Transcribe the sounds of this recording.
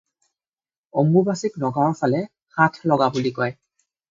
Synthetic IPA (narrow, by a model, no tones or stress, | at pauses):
omubasiknɔɡaɔpʰalɛ | xatʰlɔɡabulikɔj